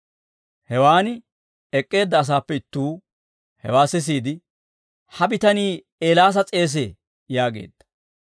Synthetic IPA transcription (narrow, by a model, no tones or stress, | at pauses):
hɛwaːnɪ | ɛkʼːe̞ːd̪ːɐːs̬aːpːɛɪt̪ːuː | hɛ̰waːsɪs̬iːd̪ɪ | hɐbɪt̪ɐniː | eːlaːs̬ɐt͡sʼe̞ːs̬eː | jaːɡe̞̰ːd̪̥ːɐ̥